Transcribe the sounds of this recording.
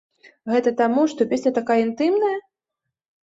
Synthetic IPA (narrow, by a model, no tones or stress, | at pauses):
ɣɛt̪ɐt̪amuʂt̪ɔpʲesʲnʲɐt̪akajɐint̪ɨmnɐjɐ